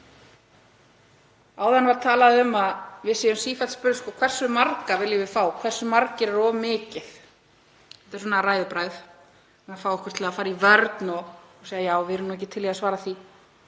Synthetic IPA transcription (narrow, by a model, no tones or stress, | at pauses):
aːwðanvaɾt̪ʰaːlaðʏmaðvɪðsejʏmsiːfɛt̪spʏɾskɔkʰvɛr̥sʏmarkavɪljʏvɪðfaːwkʰvɛr̥sʏmaɾcɪɾɛɾɔmɪːcɪθ | ɛ̥ht̪ɪɾ̥sɔːnaraːjðʏpɾaːjθ | afaːwɛhkʏ̥ɾ̥t̪ʰɪlafaːɾɪɾivœɾt̪nɔsejðajaːwvɪɾʏnuɛcːɪt̪ʰɪlːiːasvaːɾaθi